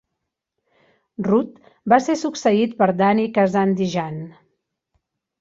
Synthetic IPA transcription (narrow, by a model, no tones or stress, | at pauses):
rut̪ | basesuksəit̪̚pəɾd̪anikazand̪iʒan